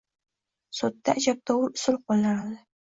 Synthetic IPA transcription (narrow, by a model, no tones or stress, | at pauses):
sot̪ːaːd͡ʒap̚t̪ʰɒwʊɾʊsʊlˠq̚olnanald̪ɪ